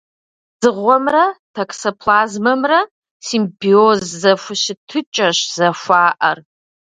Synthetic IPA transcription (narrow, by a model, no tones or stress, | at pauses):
z̥ɨʁʷːamratʰakʰʼsopʰlazmamra | simbiozːafʷʊʃɪtʰɨt͡ʃʼaʃz̥aʃʷaːʔar